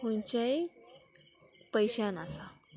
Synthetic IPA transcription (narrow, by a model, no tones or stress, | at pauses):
hunt͡ɕae | pəjɕanasa